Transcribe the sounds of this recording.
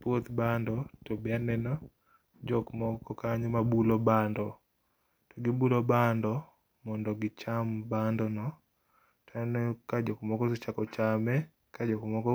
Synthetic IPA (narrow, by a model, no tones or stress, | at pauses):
pwot̪bandɔtobɪanɛnɔ | d͡ʒɔkmɔkɔkaɲɔmabulobandɔ | tɔɡɪbulobandɔ | mɔndɔɡɪt͡ʃambandɔnɔ | tʰanɔkad͡ʒɔkmɔkɔsɛt͡ʃakɔt͡ʃamɛ | kad͡ʒɔkmɔkɔ